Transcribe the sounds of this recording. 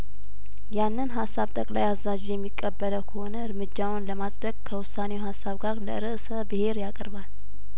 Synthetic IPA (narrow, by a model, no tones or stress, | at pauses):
janːɨnɦasːaβt̪ʼəkʼlajazːad͡ʒjɛmːikʼːəbːələwkʰəho̞nəɨɾmɨd͡ʒːawnləmasʼd̪əɡkʰəwʊsːanewhasːaβɡaɾlə̰ɨɾɨʔsəbɨhe̞ɾjakʼəɾbal